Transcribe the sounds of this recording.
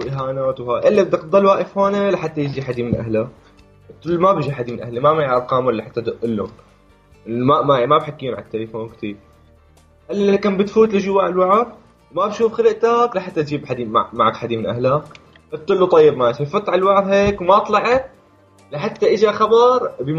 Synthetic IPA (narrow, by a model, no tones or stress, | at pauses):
wʔɪɦaːnaːt̪whaːjʔɪlːabɪd̪akd̪ˤɑlwaːʔɪfhoːnalaħat̪ːajɪd͡ʒiħad̪imɪnʔa̰hla | t̪ːʊlːmabɪʒiħad̪imɪnʔa̰hlimamaʕʔɑɾˤqɑːmwɪlːaħat̪ːad̪ʊʔɪlːʊ̰n | mamamabħakːijːʊnʕat̪ːalafoːnkt̪iːɾ | ʔɪlːaakaːmbɪt̪fuːt̪lɪʒʊwːaʔɪlwaʕað | wmabʃuːfxalɪʔt̪aklaħat̪ːat̪d͡ʒiːbħad̪imamaʕakħad̪imɪnʔahla | ʔab̚t̪ːɪlːut̪ˤɑjːɪbmat̪ijfʊt̪ːˤʕalwaʕðheːkwmat̪ˤlɑʕɑt̪̚ | laħat̪ːaʔɪd͡ʒaxɑbɑɾˤb